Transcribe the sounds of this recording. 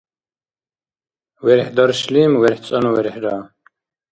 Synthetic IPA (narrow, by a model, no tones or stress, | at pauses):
wɛɾħd̪ɔɾʃliːmwɛɾħt͡sʼɔnuwɛɾħɾaː